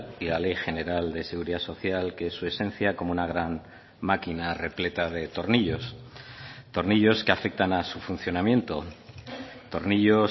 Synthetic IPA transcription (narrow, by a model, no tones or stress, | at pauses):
ilale̞jxe̞ne̞ɾald̪e̞se̞ɣuɾiðaso̞θjalkeesːue̞se̞n̟θjako̞mounaɣ̞ɾan | makinare̞ple̞t̪aðe̞t̪o̞ɾniʎo̞s | t̪o̞ɾniʎo̞ske̞afe̞k̚t̪anasufun̟θjo̞namjẽ̞nt̪o̞ | t̪o̞ɾniʎo̞